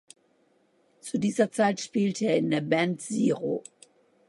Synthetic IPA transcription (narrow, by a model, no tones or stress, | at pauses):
t͡sudiːzɐt͡saɪtʃpiːltʰəeːɐɪndeːɐbɛntz̥iːʁo̰